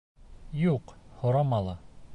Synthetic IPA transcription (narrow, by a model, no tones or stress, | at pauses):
juqhŏɾɑmɑlˠɑ